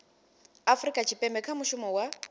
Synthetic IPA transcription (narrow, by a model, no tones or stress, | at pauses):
afrikʼat͡ʃʰipʼɛmbɛkʰamuʃumɔwa